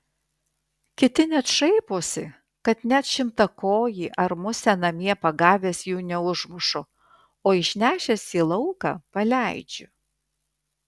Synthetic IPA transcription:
kʲɪt̪ʲɪnʲɛt̪ʃɐɪpoːsʲɪ | kɐt̪nʲæt̪ʃʲɪmt̪ɐkoːjiːʔɐɾmʊsʲɛnɐmʲiɛpɐɡɑːʋʲeːsjuːnʲɛʊʒmʊʃʊ | oːɪʃʲnʲæːʃʲɛsʲiːlˠɐʊkɑ̰pɐlʲæˑɪd͡ʒʲʊ

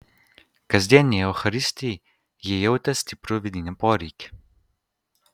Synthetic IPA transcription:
kɐzd̪ʲɛniɛoxɐɾist̪i | jɛjɛwt̪ɐst̪ipɾoʋid̪inɛpɔɾik

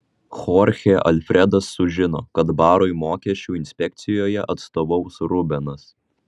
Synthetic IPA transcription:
xɔɾʲxʲeʔɐlʲfʲɾʲɛd̪ɐsːʊʒʲɪno̰ːkɐt̪bɑːɾoːjmoːkʲɛʃʲt͡ʃʲuːɪnʲsʲpʲɛk̚ʲt̪sʲɪjoːjɛʔɐt̪st̪oːʋɔʊsɾʊbʲɛnɐs

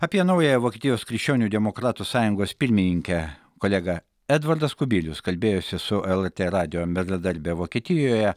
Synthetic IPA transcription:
ɑpʲiɛnɐʊjɛjɛʋoːkʲeɛt̪ʲɪjoːskɾʲɪkʃt͡ʃʲoːnʲuːd̪ʲɛmokɾɑːt̪usɑːjʊŋɡoːspʲɪɾʲmʲɪnʲɪŋʲkʲɛ | kolʲɛɡɐ | ɛd̪ʋɐɾd̪ɐskʊbʲɪlʲʊskɐlʲbʲeːjosʲɪsʊʔɛlˠɛɾʲt̪ʲeːɾɑːd̪ʲɪjoːmʲɛzɐd̪ɐɾʲbʲeʋoːkʲieːt̪ʲɪjojɛ

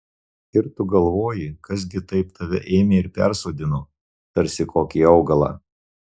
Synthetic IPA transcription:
ɪɾt̪ʊɡɐlˠʋoːjɪkɐs̬ɡʲɪt̪ɐɪpt̪ʰɐʋʲɛ̰ʔeːmʲeɪɾpʲɛ̰ɾsoːd̪ʲɪno | t̪ɐɾʲsʲɪkʰoːkʲiːɒʊɡɐlˠɑ̰ː

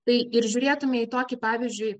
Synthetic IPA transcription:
t̪ɐɪɪɾʒʲʊːɾʲeːt̪ʊmʲɛiːt̪oːkʲɪpɑːʋʲizʲd͡ʒʲʊɪ

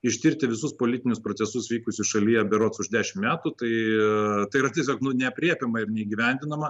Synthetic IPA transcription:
ɪʃʲt̪ʲɪɾʲt̪ʲɪʋʲɪsʊspoːlʲɪt̪ʲɪnʲʊspɾoːtsʲɛsʊsʋʲiːkʊsʲʊsʃɐlʲijɛbʲɛɾoːt̪sʊʒd̪ʲæːʃʲɪmmʲæːt̪ut̪ɐɪt̪ɐɪɾɐt̪ʲiɛsʲoːknʊnʲɛɐpʲɾʲiɛpʲɛmɐɪrnʲɛiːɡʲiʋʲɛnʲd̪ʲɪnɐmɐ

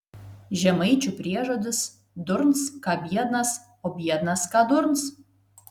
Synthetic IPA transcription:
ʒʲɛmɐɪt͡ʃʲupʲɾʲiɛʒod̪ʲɪs | d̪ʊɾnskɐbʲiɛd̪nɐs | ɔbʲiɛd̪nɐskɑd̪ʊɾns

